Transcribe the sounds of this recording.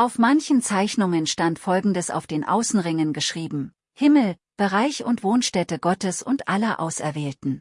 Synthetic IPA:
ʔaʊfmançn̩t͡saɪçnʊŋənʃtantfɔlɡŋ̩dəsa̰ʊfd̥eːnʔa̰ʊsn̩ʁɪŋənɡəʃʁ̥iːbm̩ | hɪml̩ | b̥əʁaɪçʊntv̥oːnʃtɛtəɡɔtəsʊntʔalɐʔa̰ʊsɛ̰ɐvɛːltn̩

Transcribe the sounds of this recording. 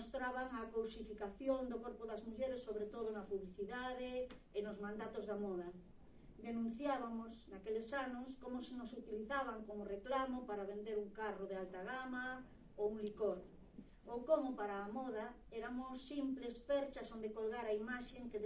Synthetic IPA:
ost̪ɾaβaŋakowsifikaθjond̪okoɾpoðɐzmuʎeɾesːoβɾet̪oð̞onapuβliθiðaðeː | nozmãnd̪at̪ozðamɔða | d̪enũn̟θjaβamosnakelesanoskomʊsenosut̪iliθaβ̞aŋkomoreklamopaɾaβ̞end̪eɾuŋkaroð̞ealt̪aɣ̞ama | ouŋlikoɾ | okomopaɾaːmɔð̞a | eɾamosːimplespɛɾt͡ʃasond̪ekolɣaɾaimaʃeŋke

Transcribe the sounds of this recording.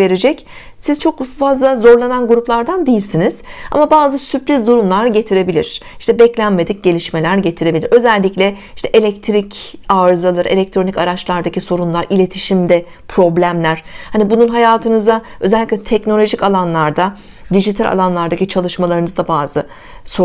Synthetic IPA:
e̞ɾed͡ʒɛc | siz̥t͡ʃʰo̞kfazlˠazo̞ɾlˠananɡuɾuplˠaɾd̪and̪ijilʲsiniz̥a̰mabaːzɯsypɾʲizd̪uɾumlˠaɾɟe̞t̪ʰiɾe̞bilʲḭɾ̥ | i̥ʃt̪ʰɛbɛclʲænme̞d̪ic̚ɟ̥e̞lʲiʃme̞lʲæɾɟe̞t̪ʰiɾe̞bilʲiɾø̞zælʲːiclʲɛiʃt̪ʰɛʔelʲɛc̚t̪ʰɾic | aːɾɯzalˠaɾɯe̞lʲɛc̚t̪ʰɾo̞nicaɾat͡ʃlˠaɾd̪aciso̞ɾunlˠaɾilʲe̞t̪ʰiʃimd̪ɛ | pʰɾo̞blʲæmlʲæɾ̥hanibununɦajaːt̪ʰɯnɯzd̪a | ø̞zɛlʲːiclʲɛt̪ʰɛcno̞lʲo̞ʒicalˠanlˠaɾd̪a | d̪iʒit̪ʰalʲʔa̰lˠanlˠaɾd̪acit͡ʃʰalˠɯʃmalˠaɾɯnɯzd̪abaːzɯ | so

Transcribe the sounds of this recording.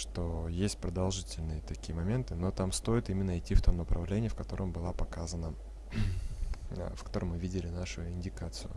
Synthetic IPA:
ʂt̪o̞jesʲtʲpɾəd̪ɐlˠʐɨtʲɪlʲnɨjət̪ɐkʲijəmɐmʲe̞nt̪ɨno̞t̪amst̪o̞jɪt̪imʲɪnːəɪtʲːift̪omnəpɾʔɐ̰vlʲenʲɪjəfkɐt̪o̞ɾəmbɨlˠapɐkazənə | fkɐt̪o̞ɾəmːɨvʲidʲɪlʲɪnaʂʊɪnʲdʲɪkat̪sɨjʊ̰

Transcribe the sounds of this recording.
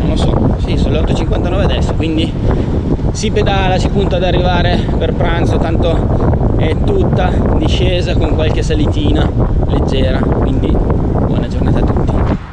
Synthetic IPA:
nonlosɔ̰sisoːnoleɔt̪ːot͡ʃiŋkwant̪anɔːvead̪ɛsːokwind̪i | siped̪aːlat͡ʃipunt̪ad̪arːivaːɾe | perpɾant̪sot̪ant̪o | ɛt̪ːut̪ːad̪iʃːeːzakoŋkwalk̟esalit̪iːnaled͡ʒːɛːɾakwind̪i | bwɔ̰ːnad͡ʒornaːt̪at̪ːut̪ːi

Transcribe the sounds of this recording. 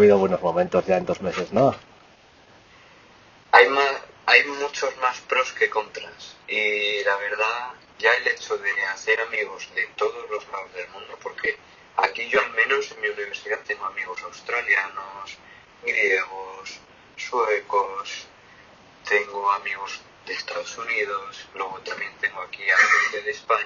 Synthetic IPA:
βiðoβwe̞no̞zmõ̞mẽnt̪o̞zʝaend̪o̞zme̞se̞zno | ajmaajmut͡ʃo̞zmaspɾo̞ske̞ko̞nt̪ɾasilaβ̞e̞ɾð̞a | ʝaele̞t͡ʃoðe̞aθe̞ɾamiɣ̞o̞zðe̞t̪o̞ð̞o̞zlo̞zlaozðe̞lmũnd̪opo̞ɾkʰe̞ | a̰kiʝo̞almẽno̞se̞nmiuniβ̞e̞ɾsiðat̪e̞ŋɡoamiɣ̞o̞sawst̪ɾaljanos | ɡɾje̞ɣ̞osː | wekos | t̪e̞ŋɡoamiɣ̞o̞z | ðe̞st̪aðo̞sunið̞oslwe̞ɣ̞ot̪amjẽ̞nt̪e̞ŋɡoakiafileðespaɲa

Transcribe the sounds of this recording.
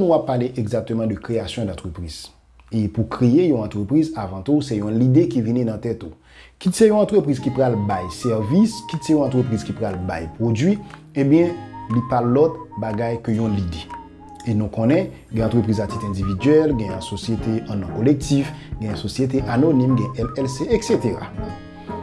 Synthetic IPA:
nũapːaʁleʔeɡzak̚t̪ømɑ̃d̪økʁeasjɔ̃d̪ɑ̃t̪χøpʁiz̥ | epukʁeejɔ̃ɑ̃t̪ʁøpʁizavɑ̃t̪usɛjɔ̃lid̪ekivininãt̪ɛt̪o | kisɛjɔ̃ɑ̃t̪ʁøpʁizkipʁalbajsɛʁviskisɛjɔ̃ɑ̃t̪χøpʁizkipʁalba̰jpʁod͡zɥi | ẽbjɛ̃lipalɔt̪baɡajkøjɔ̃lid̪e | enũkɔ̃nɛ̃ | ɡɛ̃ɑ̃t̪ʁəpʁizat̪it̪ɛ̃dividɥɛlɡɛ̃jɛ̃sosjet̪eɑ̃nɔ̃kolɛk̚t̪ifɡɛ̃ɛ̃sosjet̪̬eʔanonĩmɡɛ̃ʔɛlɛlseekset̪eʁa̰

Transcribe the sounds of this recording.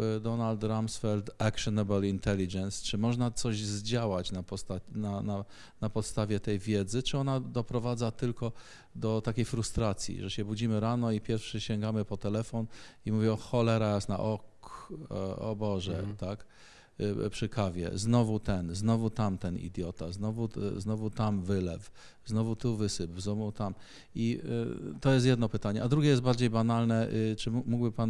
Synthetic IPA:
d̪ɔnalt̪ɾamsfɛlt̪akʂɔnɛbalint̪ɛlʲid͡ʒɛnst͡ʂɘmɔʐnat̪sɔʑzd͡ʑawat͡ɕnapɔst̪anana | napɔt̪st̪avʲjɛt̪ɛjvʲjɛd̪zɘt͡ʂɘɔnad̪ɔpɾɔvad̪zat̪ɘlkɔ | d̪ɔt̪akʲejfɾust̪ɾat̪sʲjḭʐɛɕɛbud͡ʑimɘɾanɔipʲjɛɾfʂɘɕɛŋɡamɘpɔt̪ɛlɛfɔnimuvʲiɔxɔlɛɾajasna̰ʔɔk | ɔ̰bɔʐɛ̰t̪ak | pʂɘkavʲjɛ̰znɔvut̪ɛnznɔvut̪amt̪ɛnḭd̪ʲjɔt̪aznɔvuznɔvut̪amvɘlɛ̰f | znɔvut̪uvɘsɘpznɔvut̪am | i | t̪ɔjɛst̪jɛd̪nɔpɘt̪aɲɛʔad̪ɾuɡʲɛjɛst̪baɾd͡ʑejbanalnɛt͡ʂɘmuɡbɘpan

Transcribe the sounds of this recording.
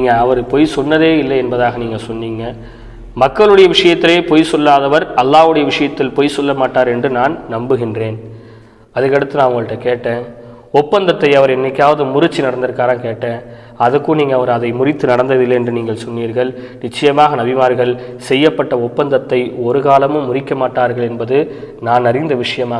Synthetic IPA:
niːŋɡɐɐʋɐɾpoːjsɔnːɐðeːɪlːɐɛnbɐðaːɣɐniːŋɡɐsɔnːiːŋɡɐ | mɐkːɐɭɯɽɐjɐʋɪʂɐjɐt̪ːɪleːpoːjsɔlːaːðɐʋɐɾɐlːaːʋɯɽɐjɐʋɪʂɐjɐt̪ːɪlpoːjsɔlːɐmaːʈːaːɾɛndrɯnaːnnɐmbɯɣɪndreːn | ɐðɐkːɐɽɯt̪ːɯnaːnʊŋɡɐɭɯʈːɐkeːʈːẽː | ɔpːɐnd̪ɐt̪ːɐɪɐʋɐɾɛnːɪkːaːʋɐðɯmʊɾʊt͡ʃːinɐɽɐnd̪ɐɾkaːɾɐnkeːʈːẽː | ɐðɐkːɯniːŋɡɐɐʋɐɾɐðɐɪmʊrɪt̪ːɯnɐɽɐnd̪ɐðɪlːɐɛndrɯniːŋɡɐɭsɔnːiːɾɣɐɭnɪt͡ʃːɐjɐmaːɣɐnɐbɪmaːɾɣɐɭsɛjːɐpːɐʈːɐɔpːɐnd̪ɐt̪ːɐɪɔɾɯɣaːlɐmɯmːʊrɪkːɐmaːʈːaːɾɣɐɭɛnbɐðɯnaːnɐrɪnd̪ɐʋɪʂɐjɐmaː

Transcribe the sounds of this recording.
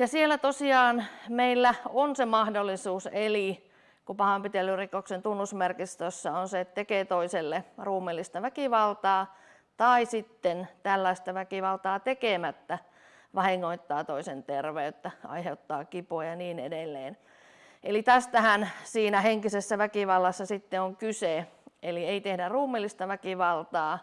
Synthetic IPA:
jɑsielːˑæt̪osiɑːnmeilːæonsemɑhdolːˑisuːseli | kupɑhɑmpit̪elːyrikoksent̪unːusmerkist̪øsːɑonseet̪t̪ekeːt̪oiselːeruːmelːist̪ɑʋækiʋɑlt̪ɑː | t̪ɑisit̪ːent̪ælːæist̪ɑʋækiʋɑlt̪ɑːt̪ekemæt̪ːæ | ʋɑhiŋːoit̪ːɑːt̪oisent̪erʋeyt̪ːæɑ̰iheut̪ːɑːkipojɑniːnḛdelːḛːn | ʔelit̪æst̪æhænsiːnæheŋkisesːæʋækiʋɑlːɑsːɑsit̪ːeoŋkyseelieit̪ehdæruːmːˑelːist̪ɑʋækiʋɑlt̪ɑː

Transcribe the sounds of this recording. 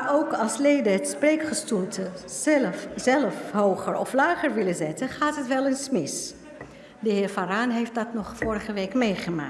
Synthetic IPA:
owkɑlˠslejdəɦətsprejkχəstulˠtə | zɛlfɦowχəɹɔ̰flaːχəɹʋɪlənzɛtənχaːtɦətʋɛlˠɪnsmɪs | dəɦɪːɹfaːraːnɦejft̚dɑtnɔχfʊːɹəχəʋejkmejχəma̰ː

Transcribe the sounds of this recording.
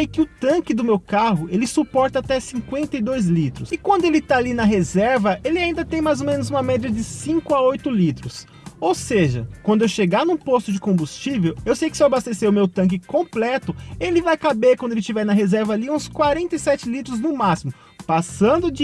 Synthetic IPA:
ejkɪʊt̪ɐ̃kɪd̪ʊmewkaɦʊelɪsupɔɾt̪ɐat̪ɛsĩŋkwẽnt̪ɐjd̪ojzlit̪ɾʊsɪkwɐ̃nd̪ʊelɪt̪aalinɐɦezɛɾvɐʔelɪaĩnd̪ɐt̪ẽj̃majzomẽnʊzũmɐmɛd͡ʒiɐd͡ʒɪsĩŋkʊaojt̪ʊlit̪ɾʊs | owseʒɐ̰kwɐ̃nd̪ʊewʃeɡaɾnũpost̪ʊd͡ʒɪkõmbust͡ʃivewewsejkɪ̥sewabast̪eseɾʊmewt̪ɐ̃k̬ɪkõplɛt̪ʊelɪvajkabeɾkwɐ̃d̪elɪt͡ʃivɛɾnɐɦezɛɾvɐaliũskwaɾẽnt̪ɐjsɛt͡ʃɪlit̪ɾʊznʊmasimʊ | pasɐ̃nd̪ʊd͡ʒ

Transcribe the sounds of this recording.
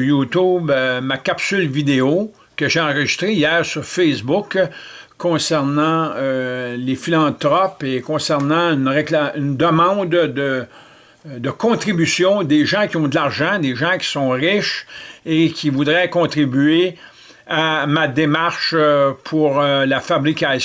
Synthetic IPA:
jut̪ubmakapsylvid̪eo | kəʒeɑ̃ʁəʒist̪ʁeijɛːʁsyʁfɛsbʊkʰː | ɔ̃sɛʁnɑ̃ølefilɑ̃t̪ʁɔpekɔ̃sɛʁnɑ̃ynʁeklaynd̪əmɑ̃ːd̪d̪ə | d̪əkɔ̃t̪ʁibysjɔ̃d̪eʒɑ̃kʲiɔ̃d̪əlaʁʒɑ̃d̪eʒɑ̃kʲi̥sɔ̃ʁɪʃekʲʰivud̪ʁɛkɔ̃t̪ʁibye | amad̪emaʁʃpʰuʁlafabʁikʲas

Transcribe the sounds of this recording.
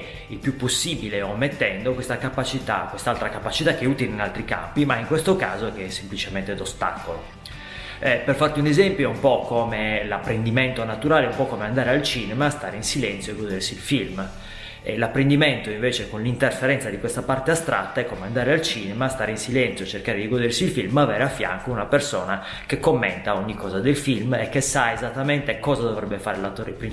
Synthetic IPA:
ilpjupːosːiːbileomːet̪ːɛnd̪okwest̪akapat͡ʃit̪a̰kwest̪alt̪ɾakapat͡ʃit̪akːeuːt̪ileinalt̪ɾika̰mpimaiŋkwest̪oka̰ːzokeɛsːemplit͡ʃement̪ed̪ost̪a̰ːkolo | perfart̪iunezɛmpjoumpɔkʰːomelapːɾend̪iment̪onat̪uɾaːleumpɔkːomeand̪aːɾealt͡ʃiːnemaːst̪aːɾeinsilɛnt̪sjoeɡod̪ersiːlfilm | ɛ̰lapːɾend̪imɛnt̪oiɱveːt͡ʃekonlint̪erfeɾɛnt̪sad̪ikwest̪apart̪east̪ɾʔa̰t̪ːaɛkːomeand̪aːɾealt͡ʃiːnɛmaːst̪aːɾeinsilɛnt̪sjot͡ʃerkaːɾed̪iɡod̪ersiːlfilmavɛɾeafːja̰ŋkounapersɔ̰ːna | kekːomːɛ̰nt̪aoɲːikːɔːzad̪elfilmɛkːesaezat̪ːament̪ekɔːzad̪ovɾɛbːefaːɾelat̪ːoːɾḛpɾi

